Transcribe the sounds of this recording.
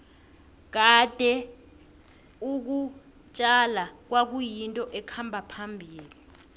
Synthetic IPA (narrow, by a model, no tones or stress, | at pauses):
k̬ad̥ʱɛ | uk̬u | t͡ʃʼalak̬wak̬ujintʼɔʔɛkʰambʱapʰambʱiːli